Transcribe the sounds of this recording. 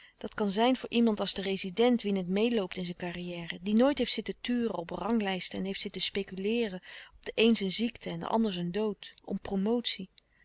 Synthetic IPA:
d̥ɑtkɑnzɛjnvʊːɹʔimɑntɑlˠzdərezidɛntʋinətmejlowp̚tɪnzɛnkarijɛːrədinojtɦejftsɪtətyːrəɔprɑŋlɛjstəɛnɦejftsɪtəspejkylɪːrəɔb̚d̥əʔejnzənziktʰəɛndə̰ʔɑ̰ndəɹzəndowtɔ̰mpromowtsi

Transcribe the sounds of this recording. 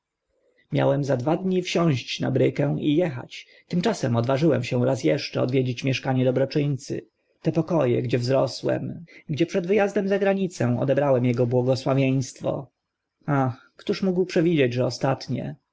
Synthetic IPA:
mʲja̰wɛmzad̪vad̪ɲifɕɔ̃w̃ɕt͡ɕna̰bɾɘkɛ̃w̃ʔijɛxa̰t͡ɕ | t̪ɘmt͡ʂasɛmɔd̪vaʐɘwɛmɕɛw̃ɾas̬jɛʂt͡ʂɛɔd̪vʲjɛd͡ʑet͡ɕmʲjɛʂkaɲɛd̪ɔbɾɔt͡ʂɘɲt̪sɘ̰ | t̪ɛpɔkɔjɛ̰ɡd͡ʑɛvzɾɔswɛ̰mɡd͡ʑɛpʂɛd̪vɘjazd̪ɛmzaɡɾaɲit̪sɛ̃w̃ɔ̰d̪ɛbɾawɛmjɛɡɔbwɔɡɔswavʲjej̃st̪fɔ̰ | ax | kt̪uʂmuɡwpʂɛvʲid͡ʑed͡ʑʐɛɔst̪at̪ɲɛ̰

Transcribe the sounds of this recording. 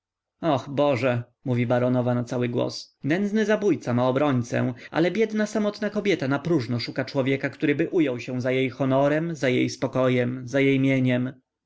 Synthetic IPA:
axbɔʐɛ | muvʲibaɾɔnɔvanat̪sawɘɡwɔ̰s | nɛnd̪znɘzabujt̪samaɔbɾɔɲt̪sɛ̰̃ʔa̰lɛbʲjɛd̪nasamɔt̪nakɔbʲjɛt̪anapɾuʐnɔʂukat͡ʂwɔvʲjɛkakt̪uɾɘbɘʔujɔwɕɛ̃zajejxɔnɔɾɛmzajejspɔkɔjɛmzajejmʲjeɲɛm

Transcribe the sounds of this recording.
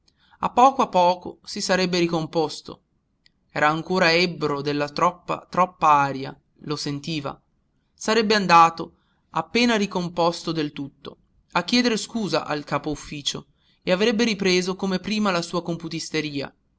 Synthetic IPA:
a̰pːɔːkoapːɔːko̰sisaɾɛbːeɾikompost̪o̰ | ɛːɾaːŋkoːɾaɛbɾod̪elːat̪ɾɔpːa̰t̪ɾɔpːaaːɾja̰ | losent̪iːva̰ | saɾɛbːeand̪aːt̪o | apːeːnaɾikompɔst̪od̪elt̪ut̪ːo̰ | akːjɛːd̪eɾeskuːza̰ʔa̰lkaːpoufːiːt͡ʃo̰ | eavɾɛbːeɾipɾeːzokomepɾiːmalasuːakomput̪ist̪eɾiːa̰

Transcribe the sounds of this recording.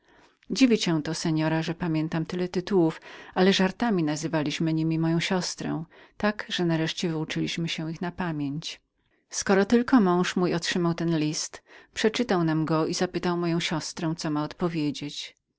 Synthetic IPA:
d͡ʑivʲiɕɛ̃w̃t̪ɔsɛɲɔɾaʐɛpamʲjɛnt̪amt̪ɘlɛt̪ɘt̪uwufalɛʐaɾt̪amʲinazɘvalʲiɕmɘɲimʲimɔjɔ̃w̃ɕɔst̪ɾɛ̰w̃t̪akʐ̥ɛnaɾɛʂt͡ɕɛvɘut͡ʂɘlʲiɕmɘɕɛ̃ixnapamʲjeɲt͡ɕ | skɔɾɔt̪ɘlkɔmɔ̃w̃ʂmujɔtʂɘmawt̪ɛnlʲist̪pʂɛt͡ʂɘt̪awnamɡɔizapɘt̪awmɔjɔ̃w̃ɕɔst̪ɾɛw̃t̪sɔmaɔt̪pɔvʲjed͡ʑet͡ɕ

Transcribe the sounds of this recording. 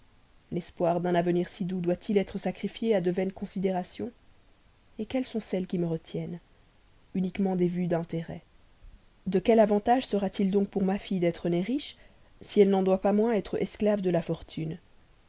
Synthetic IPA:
lɛspwaʁd̪ɛ̃navəniʁsid̪ud̪wat̪ʰilɛt̪χəsakχifjead̪əvɛnkɔ̃sid̪eʁasjɔ̃ | ekʲɛlsɔ̃sɛlkʲiməʁət̪jɛn | ynikmɑ̃d̪evyd̪ɛ̃t̪eʁɛ | d̪əkʲɛlavɑ̃t̪aʒsəʁat̪ild̪ɔ̃k̚puʁmafijd̪ɛt̪χəneʁiʃ | siɛlnɑ̃d̪wapamwɛ̃ɛt̪χɛsklavd̪əlafɔʁt̪ʰyn

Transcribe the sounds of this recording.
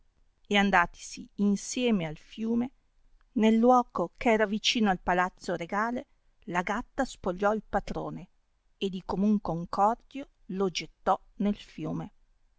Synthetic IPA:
eand̪aːt̪i̥siːnsjɛːmealfjuːme | nelːwɔːkokʰeɛːɾavit͡ʃiːnoalpalat̪sːoɾeɡaːle | laɡat̪ːaspoʎːɔilpat̪ɾo̰ːne | ed̪ːikomuŋkouŋkɔrd̪jo | lod͡ʒet̪ːɔ | nelfjuːme

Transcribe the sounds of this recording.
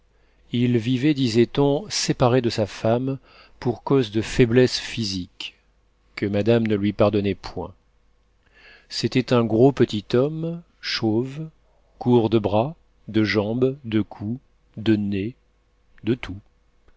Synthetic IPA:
ilvivɛd̪izɛt̪ɔ̃sepaʁed̪əsafam | puʁkozd̪əfɛblɛsfizikː | əmad̪amnəlɥipaʁd̪ɔnɛpʰwɛ̰̃ | set̪ɛt̪ɛ̃ɡʁopət̪it̪ɔm | ʃov | kuʁd̪əbʁa | d̪əʒɑ̃bd̪əkʰu | d̪əne | d̪ət̪ʰu

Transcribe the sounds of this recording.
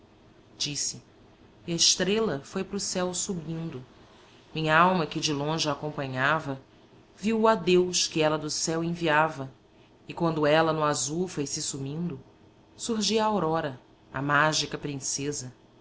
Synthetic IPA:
d͡ʒisɪ | kɪɐɪʃt̪ɾelɐfojpɾʊsɛwsubĩnd̪ʊ | mĩɲɐawmɐkɪd͡ʒɪlõʒɪaːkõmpɐ̃ɲavɐ | viwad̪ewskɪɛlɐd̪ʊsɛwẽviavɐ | ɪkwɐ̃nd̪ʊɛlɐnʊazufojsɪsumĩnd̪ʊ | suɦʒiɐawɾɔɾɐ | a̰maʒikɐpɾĩsezɐ

